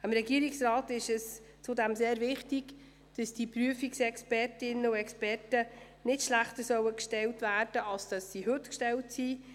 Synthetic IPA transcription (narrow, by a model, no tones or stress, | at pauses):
ɪmɾɛɡiəɾɪksrɑːtɪʃɛst͡sudɛmseːɾvɪχtɪɡ̥ | d̥ɑsd̥ipɾyəfiksɛkspɛrtɪnəuɛkspɛrtə | nɪtʃlæχtəsœwəkʃtɛltvæːrd̥əɑlsd̥ɑsːiɦɵtkʃtɛltsi